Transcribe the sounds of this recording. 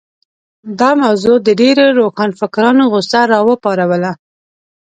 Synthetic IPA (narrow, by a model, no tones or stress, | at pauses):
d̪ɑmawzod̪əɖeɾoɾoxɑnfɪkɾɑnoɣʊsaɾɑwəpɑɾawəla